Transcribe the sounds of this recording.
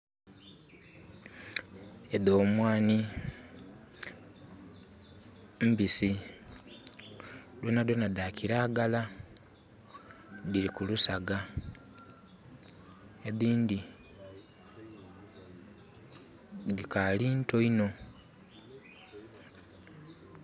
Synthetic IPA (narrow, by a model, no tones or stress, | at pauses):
eðo̞ːmwaːni | m̩bisi | dwenadwenadakʰiɾaːɡala | ðiɾikulusaɡa | eðiːndi | ðikaliːntoino̞